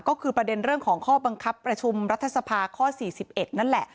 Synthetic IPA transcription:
kɔː˥˩kʰɯː˧pɾa˧de˧nɾɯ˥˩əŋkʰɔː˩˦ŋkʰɔː˥˩ba˧ŋkʰa˦˥pːɾa˧t͡ɕʰu˧mɾa˦˥t̪ʰːa˧sa˧pʰaː˧kʰɔː˥˩siː˨˩si˨˩p̚ʔe˨˩t̪̚na˦˥˩nlɛ˨˩ʔ

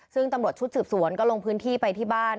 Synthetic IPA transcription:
sɯ˥˩ŋt̪a˧mɾu˨˩ət̪̚t͡ɕ̪ʰsɯː˨˩p̚su˩˦ənkɔː˥˩lo˧ŋpʰɯː˦˥nt̪ʰiː˥˩pa˧jt̪ʰiː˥˩baː˥˩n

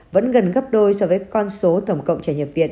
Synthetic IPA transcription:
və̰˧˥nɣə˨˩nɣə˦˥p̚ɗo˧jsɔ˧vəː˨˦jkɔ˧nso˨˦t̪ə˧˩wŋ͡mkə̰˧˨wŋ͡mt͡ɕaː˧˩jɲə˨˩p̚vḭ˧˨ən

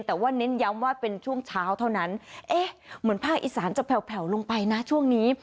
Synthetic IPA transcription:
nt̪ɛː˨˩waː˥˩ne˦˥nja˦˥mwaː˥˩pe˧nt͡ɕʰu˥˩əŋt͡ɕʰaː˦˥wt̪ʰa˥˩wna˦˥nʔeː˧˩mɯ˩˦ənpʰaː˥˩k̚ʔiː˧˩saː˩˦nt͡ɕa˨˩pʰɛ˨˩wpʰɛ˨˩˦wlo˧ŋpa˧jna˦˥t͡ɕʰu˥˩əŋniː˦˥

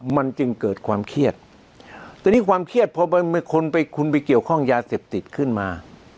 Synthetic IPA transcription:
ma˧nt͡ɕɯ˧ŋkɤː˨˩t̪̚kʰwaː˧mkʰi˥˩ət̪̚ | t̪ʰːɛː˧˩niː˦˥˩kʰwaː˧mkʰi˥˩ət̪̚pʰɔ˧ba˧m˧kʰo˧npa˧jkʰu˧npa˧jki˨˩əwkʰɔ˥˩ŋjaː˧seː˨˩p̚t̪i˨˩t̪̚kʰɯ˥˩nmaː˧

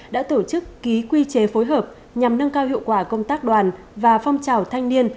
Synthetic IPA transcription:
ɗa̰ː˧˥t̪o˧˩t͡ɕɨ˦˥kːi˨˦kwi˧t͡ɕe˨˦fo˨˦jɦəː˨˩p̚ | ɲa˨˩mnə˧ŋkaː˧whḭ˧˨əwkwaː˧˩kə˧wŋ͡mt̪aː˦˥k̚ɗwaː˨˩n | vaː˨˩fa˧wŋ͡mt͡ɕaː˨˩wt̪ʰa˧jŋni˧ən

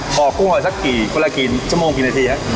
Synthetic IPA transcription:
kʰɔː˨˩˦ku˧˥˩ŋmaː˧˩sa˦˥kːiː˨˩ka˧laː˧kiː˨˩t͡ɕʰu˥˩moː˧ŋkiː˨˩naː˧t̪ʰiː˧ha˦˥ʔ

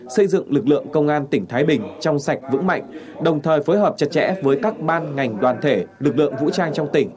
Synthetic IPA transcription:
sə˧jzɨ̰˧˨ŋlɨ˨˩k̚lɨ̰˧˨əŋkə˧wŋ͡mʔaː˧nt̪ï˧˩ŋ̟t̪ʰaː˨˦jɓï˨˩ŋ̟t͡ɕɔ˧wŋ͡msa˨˩jk̟̚vɨ̰˧˥ŋma̰˧˨jŋ̟ | ɗə˨˩wŋ͡mt̪ʰəː˨˩jfo˨˦jɦəː˨˩p̚t͡ɕə˨˩t̚t͡ɕɛ̰˧˥vəː˨˦jkaː˦˥k̚ɓaː˧nŋa˨˩jŋ̟ɗwaː˨˩nt̪ʰe˧˩lɨ˨˩k̬̚lɨ̰˧˨əŋvṵ˧˥t͡ɕaː˧ŋt͡ɕɔ˧wŋ͡mt̪ï˧˩ŋ̟

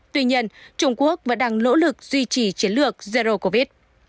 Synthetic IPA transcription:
t̪wi˧ɲi˧ənt͡ɕʊ˧ŋ͡mku˦˥ək̚və̰˧˥nɗaː˧ŋno̰˧˥lɨ˨˩k̚z̥wi˧t͡ɕi˨˩t͡ɕi˨˦ənlɨ˨˩ək̚ze˧zo˧ko˧˩vi˦˥t̚

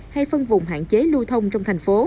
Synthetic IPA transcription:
ha˧jfə˧nvʊ̰˧˨ŋ͡mɦa̰ː˧˨nt͡ɕe˨˦lu˧t̪ʰə˧wŋ͡mt͡ɕɔ˧wŋ͡mt̪ʰa˨˩ŋ̟fo˨˦

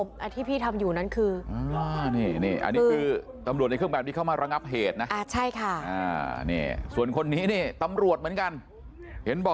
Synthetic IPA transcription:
mʔa˧t̪ʰiː˥˩pʰiː˥˩t̪ʰa˧mjuː˨˩na˦˥nkʰɯː˧ʔaː˧niː˥˩niː˥˩ʔa̰˧nːiː˦˧kʰɯː˧ | t̪a˧mɾu˨˩t̪̚n˧kʰŋbɛː˨˩p̪̚i˥˩kʰa˥˩wmaː˧ɾa˧ŋa˦˥p̚ɦeː˨˩t̪̚na˦˥ʔaː˧˩t͡ɕʰa˥˩jkʰa˥˩ʔaː˧˩nḭː˥˩su˨˩ənkʰo˧nːiː˦˥niː˥˩t̪a˧mɾu˨˩ət̪̚mɯ˦ənka˧n | he˩˦nbɔː˨˩

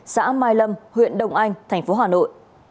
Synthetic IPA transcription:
sa̰ː˧˥maː˧jlə˧mhwḭ˧˨ənɗə˨˩wŋ͡mʔa˧jŋ̟t̪ʰɛ˨˩ŋ̟fo˨˦ɦaː˨˩no̰˧˨j

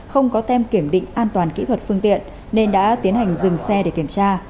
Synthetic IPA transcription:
xə˧wŋ͡mkɔ˨˦t̪ɛ˧mki˧˩əmɗḭ̈˧˨ŋ̟ʔaː˧nt̪waː˨˩nkḭ˧˥t̪ʰwə˨˩t̚fɨ˧əŋt̪ḭ˧˨ənː | e˧nɗa̰ː˧˥t̪i˨˦ənɦa˨˩jŋ̟zɨ˨˩ŋsɛ˧ɗe˧˩ki˧˩əmt͡ɕaː˧

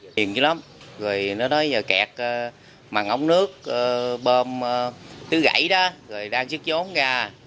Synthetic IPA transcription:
i˨˩ənɨ˨˧˦la˨˦m | ɣɔː˨˩jnɔ˨˦nɔ˨˦jəː˨˩kɛ̰ː˨˩k̚ː | maː˨˩ŋʔə˧˦wŋ͡mnɨ˦˥ək̚ʔəː˧˩ɓəː˧m˧t̪ɨ˨˦ɣa̰˧˩jɗaː˨˦ɣɔ˨˩jɗaː˧ŋt͡ɕɨ˦˥k̚zo˨˦nɣaː˧˩

